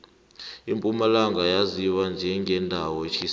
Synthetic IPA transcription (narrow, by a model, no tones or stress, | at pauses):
impʼumalaŋɡʱajaziwand͡ʒʱɛŋɡʱɛndʱawɔet͡ʃʰis